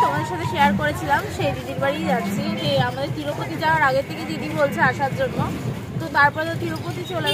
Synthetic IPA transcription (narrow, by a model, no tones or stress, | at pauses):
t̪omad̪eɾʃat̪ʰeʃeaɾkoɾet͡ɕʰilamʃejd̪id̪iɾbaɽid͡ʑat̪t͡ɕʰed͡ʑeamad̪eɾt̪ʰiɾopot̪id͡ʑaoaɾaɡet̪ʰeked̪id̪ibolt͡ɕʰeaʃaɾd͡ʑonːo | t̪ot̪aɾpɔɾet̪at̪ʰiɾopot̪it͡ɕole